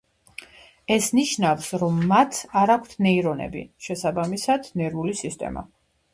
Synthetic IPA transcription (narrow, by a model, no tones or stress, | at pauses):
ɛsniʃnafsɾɔmːat̪ʰaɾakʷʰt̪ʰnɛiɾɔnɛ̰bḭʃɛsabamisad̪̥nɛɾulisist̪ʼɛ̰ma̰